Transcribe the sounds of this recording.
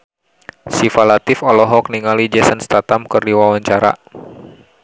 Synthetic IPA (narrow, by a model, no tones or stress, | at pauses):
sifalat̪ɪfɔlɔɦɔk̚niŋalid͡ʒɛsənst̪at̪amkɨrdiwawaɲt͡ʃaɾa̰